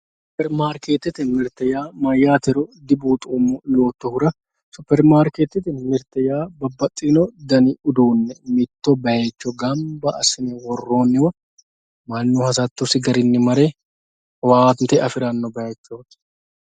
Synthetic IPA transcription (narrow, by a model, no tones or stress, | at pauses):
sʊpɛɾmaːɾkeːt̪ːɪt̪ɪmɪɾt̪ɛjaːmɐjːaːt̪ɛɾɔd̪ɪbuːt̪ʼoːmːʊjoːt̪ːɔhʊɾɐ | sʊpɛɾmaːɾkeːt̪ɪt̪ɪmɪɾt̪ɛjaːbɐbːɐt̪ʼːinɔd̪ɐnɪʊd̪uːnːɛmɪt̪ːɔbɐjeːt͡ʃːɔɡɐmbɐɐsɪnɛwɔrːo̞ːnːɪwɐ | mɐnːuːhɐs̬at̪ːʊsɪɡɐɾɪnːɪmɐɾe | waːnt̪ɛɐfɪɾɐnːɔbɐjet͡ʃːoːt̪ɪ̥